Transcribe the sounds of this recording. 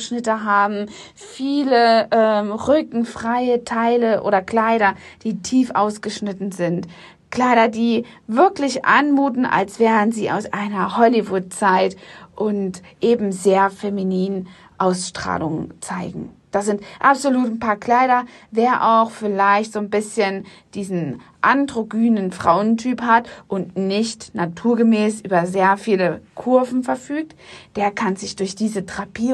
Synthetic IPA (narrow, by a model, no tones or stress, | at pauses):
ʃnɪtəɦaːbm̩ | fiːləʔɛːmʁʏkŋ̩fʁ̥aɪətʰaɪləʔo̰ːɾɐkl̥aɪɾɐd̥iːtʰiːfʔaʊsɡ̥əʃnɪtn̩zɪnt | kl̥aɪɾɐdiː | vɪɐklɪçʔa̰nmuːtn̩a̰lsv̥ɛːʁənziːʔa̰ʊsʔaɪnɐhɔlivʊt̚t͡saɪtʔʊntʔeːbm̩zeːɐfeminiːn | ʔaʊsʃtʁ̥a̰ːlʊŋt͡saɪɡŋ̩d̥az̥ɪntʔapz̥oluːtn̩pʰaːɐkl̥aɪɾɐveːɐʔaʊxfɪlaɪçtz̥oːnbɪsçən | d̥iːzn̩ʔandʁoɡyːnənfʁ̥aʊəntʰyːphatʔʊntnɪçtnatʰuːɐɡəmɛːsʔyːbɐzeːɐfiːləkʰʊɐvn̩fɛɐfyːk̚td̥eːɐkʰanzɪçd̥ʊɐçd̥iːzətʁ̥apiː